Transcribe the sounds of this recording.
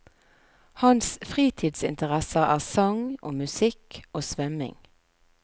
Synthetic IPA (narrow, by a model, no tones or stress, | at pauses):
hɑnsfʁiːt̪ʰiːd̪sɪ̰nt̪əʁɛsəæ̰ːʁsɔŋʔo̰ːmʉsɪkʰoːsʋœmɪ̰ŋ